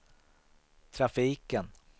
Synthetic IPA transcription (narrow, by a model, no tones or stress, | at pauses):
t̪ʰɾafiːkən